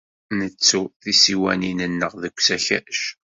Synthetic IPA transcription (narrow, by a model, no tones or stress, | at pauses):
nət͡sːuθisiwæ̰ninənːəʁðəkʷːsæçæ̰ʃ